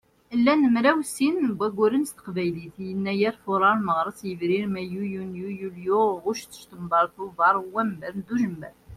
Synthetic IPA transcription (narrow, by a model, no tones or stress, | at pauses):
lːænəmɾæwsinbæɡʷːʊɾənst̪ə̥qvæjliθjənːæjæɾfʊɾˤɑɾməʁɾˤəsˤjəvɾiɾmæjujunjujuljuʁʊʃθə̥ʃt̪əmbɑɾˤθuvɑɾˤwæmbæɾnd̪uʒəmːæ̰